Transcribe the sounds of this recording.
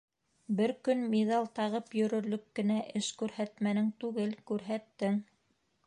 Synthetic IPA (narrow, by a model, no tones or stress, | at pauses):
bɘɾkɵnmiðɑlˠt̪ɑʁɤpjɵ̆ɾɵ̆ɾlɵkːɘ̆næʔɘʃkʉɾhæt̪mænɘŋt̪ʉɡɘlkʉɾɦæt̪ːɘŋ